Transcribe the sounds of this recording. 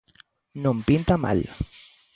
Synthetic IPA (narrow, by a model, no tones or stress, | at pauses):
nõmpint̪ama̰l